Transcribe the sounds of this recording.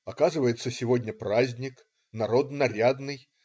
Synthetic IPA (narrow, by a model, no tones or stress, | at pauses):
akazɨvɐjɛt̪sːɐsʲivɔd̪ʲnʲɐpɾazʲnʲik | naɾɔd̪naɾʲad̪nɨj